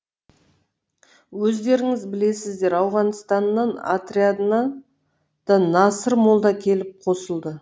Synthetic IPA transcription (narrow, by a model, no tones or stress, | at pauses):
wɵzd̪e̞ɾɪŋɪzbɪle̞sɪzd̪e̞ɾɑwʁɑnst̪ɑnːɑna̰t̪ɾiad̪nɑ | d̪̥ɑnɑsəɾmo̞lˠd̪ɑkʲʰe̞lɪp̚qʰo̞səlˠd̪ə